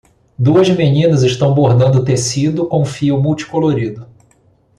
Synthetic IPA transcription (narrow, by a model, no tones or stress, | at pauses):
d̪uɐzmenĩnɐzɪʃt̪ɐ̃w̃boɦd̪ɐ̃nd̪ʊʊt̪esid̪ʊkõw̃fiumuwt͡ʃi̥koloɾid̪ʊ